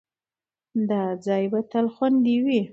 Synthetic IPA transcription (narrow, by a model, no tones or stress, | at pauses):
d̪ɑd͡zɑjbat̪alxwand̪iwi